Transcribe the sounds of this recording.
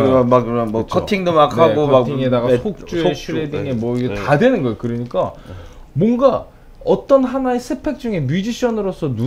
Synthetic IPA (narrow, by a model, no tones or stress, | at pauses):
makmʌkʰʌtʰiŋdomakʰaɡoakʰiiŋedaɡasʰok̚t͡ɕ͈uɕʰiɾediŋemwʌiɡetadwe̞nɯnɡʌjekɯɾʌɲik͈a | mwʌnɡa | ʌt͈ʌnɦanaesʰepʰe̞k̚t͡ɕ͈uŋe̞mjid͡ʑiɕʰʌnɯɾosʰʌnu